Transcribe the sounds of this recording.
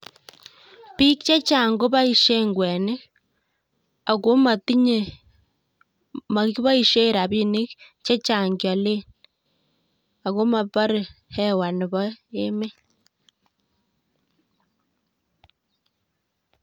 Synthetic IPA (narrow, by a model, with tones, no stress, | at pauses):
pi˦kt͡ʃa˦t͡ʃa˨ŋɡo˦βa˦i˨ʃe˦ŋɡwe˨ne˦ | a˨ko˦ma˨ti˦ɲe˨ | ma˨ki˦βa˦i˨ʃe˦˨ɾa˨βi˦ni˦kt͡ʃe˦t͡ʃa˨ŋɡja˨le˦n | a˨ɣo˦ma˨pa˦ɾi˨he˦wa˨ni˨βɔ˦e˦me˦